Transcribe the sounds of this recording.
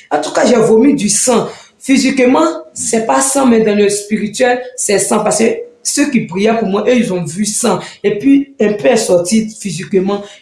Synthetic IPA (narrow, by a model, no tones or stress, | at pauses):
ãt̪ukaʒɛvomĩd̪ysã | fizikmãsɛpasãmɛ̃d̪ãlɛspiʁit̪yɛlsɛsãpaskesøkipʁijɛpumwɛ̃ʔeilzɔ̃vysãepɥiɛ̃pøɛsɔt̪ifizikmã